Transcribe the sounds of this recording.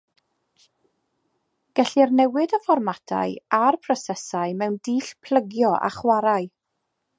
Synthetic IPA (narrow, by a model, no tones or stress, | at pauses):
ɡ̥ɛɬirnɛwɪdəfɔrmatʰa̰ɨarpʰrɔsɛsaɨmɛwndiːɬpʰl̥ˠəɡjɔʔa̰χwaɾaɨ